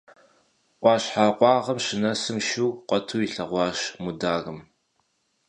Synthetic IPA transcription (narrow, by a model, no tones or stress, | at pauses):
ʔʷɑːɕħaːqʷɑːʁɐmɕɪnɐsɨmʃuːqʷɔtʰuːiɬɐʁʷɑːɕmudaːɣɨm